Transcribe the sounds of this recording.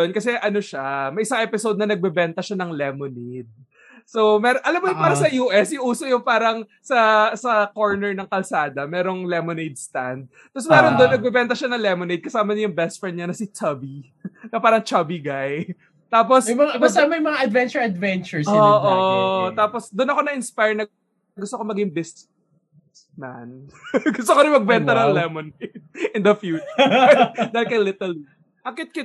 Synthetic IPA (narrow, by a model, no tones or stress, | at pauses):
onkɐsɛʔɐno̞ʃamɐʔɪsaŋʔɛpɪsod̪̚nɐnɐɡ̚bɛbɛnt̪ɐʃanɐŋlɛmoned̪̚ | sowmɛːɾoʔɐlɐmːojʊŋpaːɾɐsɐjuːʔɛsɪʔuːsojʊŋpaːɾɐŋ | sɐsɐko̞ɹnɛɹnɐŋkɐlsaːd̪ɐmɛːɾo̞ŋlɛmonejd̪̚st̪and̪̚ | t̪ːosmɛːɾond̪onːɐɡ̚bɛbɛnt̪ɐʃanɐŋlɛmonejd̪̚kɐsaːmɐɲɐjʊŋbɛst̪fɹɛnd̪ɲɐnɐsɪt͡ʃɐbi | nɐpaːɾɐŋt͡ʃɐbiɡaj | t̪aːp̬osmɐŋabɐsamɐjmɐŋaʔɐd̪vɛnt͡ʃɛɹɐd̪vɛnt͡ʃʊɹsoːʔot̪aːposd̪onɐko̞nɐʔɪnspajɹnɐ | ɡʊst̪okomɐɡɪŋbɪst̪ | s | ma̰nɡʊst̪okoɾɪmɐɡ̚bɛnt̪ɐnɐŋlɛmonejd̪̚ʔɪnd̪ɐfjuːt͡ʃ | d̪aːhɪlkɐjlɪt̪ɛl | ʔɐŋkɪt̪̚kɪt̪̚